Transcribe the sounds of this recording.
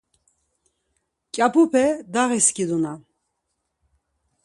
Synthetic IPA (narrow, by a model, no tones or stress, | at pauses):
kʼapʰupʰɛd̪aɣiskʼid̪una